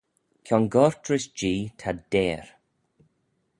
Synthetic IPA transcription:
kʰɔnɡɔɹtɹɪsd͡ʒiːt̪ʰadeːɹ

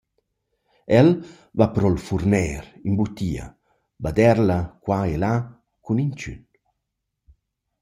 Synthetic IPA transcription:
ɛl | vapɾɔlfuɾnɛːɾimbut̪ːiɐ̰ | bad̪ɛɾlakwaela | kunint͡ʃy̰n

